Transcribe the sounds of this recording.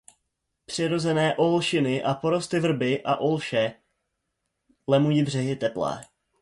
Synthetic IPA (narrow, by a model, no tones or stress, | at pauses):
pr̝̥ɪɾo̞zɛnɛːʔolʃɪnɪʔapo̞ɾo̞st̪ɪvr̩bɪʔa̰ʔolʃɛ | lɛmujiːbr̝ɛɦɪt̪ɛplɛ̰ː